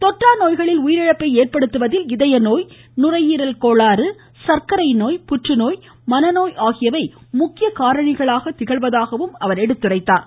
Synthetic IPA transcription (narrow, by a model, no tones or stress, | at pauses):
t̪ɔʈraːnoːjɣɐɭɪlʊjɪɾɪɻɐpːɐɪeːrpɐɽɯt̪ːɯʋɐðɪlɪðɐjɐnoːj | nʊrɐjiːɾɐlkoːɭaːɾɯ | sɐɾkɐɾɐɪnoːjpʊʈrɯnoːj | mɐnɐnoːjaːɣɪjɐʋɐɪmʊkːɪjɐkaːɾɐɳɪɣɐɭaːɣɐt̪ɪɣɐɭʋɐðaːɣɐʋɯmɐʋɐɾɛɽɯt̪ːɯrɐɪt̪ːaːɾ